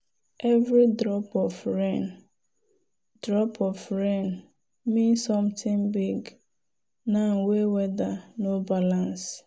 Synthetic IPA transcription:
ɛvɾidɾɔpɔvɹen | d̥ɾɔpʰɔvɹen | mĩnsɔ̃mtʰɪ̃ŋbiɡ | nan̩wewɛdanobalãns

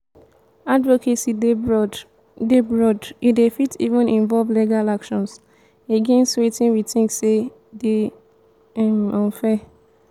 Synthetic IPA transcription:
advokʰesi | debɹɔdidefitḭvɔ̃nʔĩnvɔlvleɡalakʃɔ̃ns | eɡẽnswetĩnwitĩŋkse | de | ɛ̃mɔ̃nfɛ

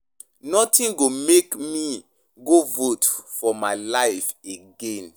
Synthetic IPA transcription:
nɔtĩnɡomekmi | ɡovotfɔmaɪlaɪfeɡẽn

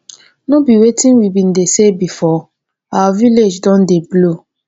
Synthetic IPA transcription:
nobiwetʰĩnwibĩndesebifɔ | awaviled͡ʒdɔ̃ndeblo

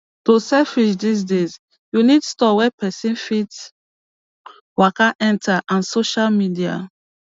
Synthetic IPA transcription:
tosɛfid͡ʒdis̬dez | junidstɔwɛpɛsĩnfit | wakaʔɛ̃ntʰaʔãnsoʃalmidia̰

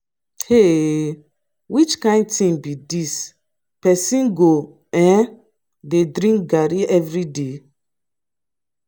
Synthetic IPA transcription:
he | wit͡ʃkãɪ̃nd̚tĩŋbidis | pɛsĩnɡo | ɛ̃ | dedɾĩŋk̚ɡaɾiɛvɾide

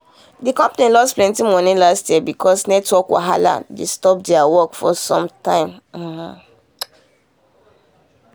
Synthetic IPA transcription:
dikɔ̃mpanĩlɔsplɛ̃ntĩmɔnĩlastjɛbikʰɔsnɛtwɔkwa̰ɦala̰destɔp̚dɛawɔkfɔsɔ̃mtãɪ̃m̩h̩

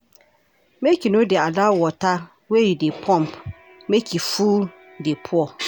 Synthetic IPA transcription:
mɛkʰinʊ̃dɪadawɔtʰa | wɛjidepʰɔ̃mpʰ | mɛ̃kʰifuː | depʰʊɔ

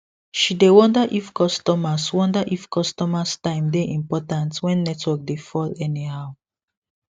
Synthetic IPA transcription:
ʃidewɔ̃ndaʔifkɔstɔmaswɔ̃ndaʔifkɔstɔmastãɪ̃mdeʔĩmpɔtãntwɛ̃nːɛtwɛk̚defɔlɛnihaʊ

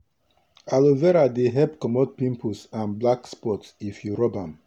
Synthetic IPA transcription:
alovɛɾadeɦɛpkɔmɔt̚pĩmpʰusãnblakspɔtsifjuɹɔbãm

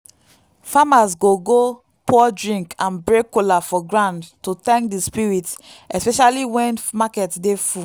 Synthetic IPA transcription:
famasɡoɡo | pʰɔdɹĩŋkʰãnbɹekːolafɔɡɹãndtutɛ̃ŋkdispiɹit | ɛspɛʃaliwɛ̃nmakɛtdefu

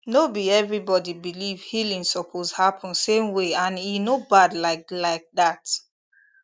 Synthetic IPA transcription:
nobiɛvɹibɔdibilivhilĩnsɔpʰozhapʰɔ̃nsẽmweãninobadlaɪk̚laɪk̚dat

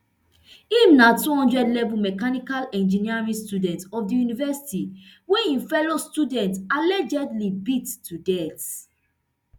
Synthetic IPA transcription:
ĩmnatuhɔ̃ndɹɛdlɛvumɛkanikalɛ̃nd͡ʒiniaɹĩstudɛ̃ntɔfdijunivɛsi̥tiweĩnfɛlostudɛ̃ntalɛd͡ʒɛdlibitːudɛt

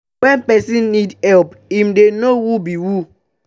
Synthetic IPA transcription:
wɛ̃npɛsĩnːidhɛlp | imdenowubiwu

